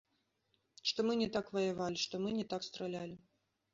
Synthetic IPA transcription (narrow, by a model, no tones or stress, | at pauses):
ʂt̪ɔmɨnʲɛt̪akvɐjavalʲiʂt̪ɔmɨnʲɛt̪akst̪ɾalʲalʲi